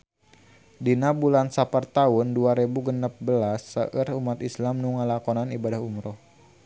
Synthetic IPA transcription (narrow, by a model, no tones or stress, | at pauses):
dinabulansapərt̪aʊnduaɾebuɡənəp̚bəlasːə̰ʔərumat̪islamnuŋalakɔnanibadahumɾɔh